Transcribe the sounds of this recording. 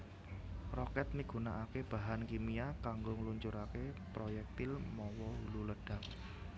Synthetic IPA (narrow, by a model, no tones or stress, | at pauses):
rɔkɛt̪̚niɡ̥ṳnaʔakeb̥a̤ɦankimiakaŋɡoŋluɲt͡ʃuɾakepɾojɛk̚t̪ɪlmɔwɔɦululəɖ̥a̤k̚